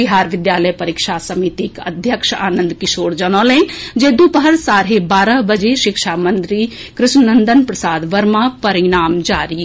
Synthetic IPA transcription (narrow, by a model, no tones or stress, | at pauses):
iɦaːɾʋɪd̪jaːləjpɐɾikʃasɐmiːt̪ikɐ̰d̪ʱjəkʃa̰ːnə̃nd̪kɪʃoːɽd͡ʒɐnoːlẽd͡ʒeːd̪upəɦəɾsaːɾɦebaːɾəɦbɐd͡ʒeʃɪkʃaːmɐnt̪ɾi | kɾɪʃnɐnd̪ənpɾɐsaːd̪ʋɐɾmapɐɾinaːmd͡ʒaːɾi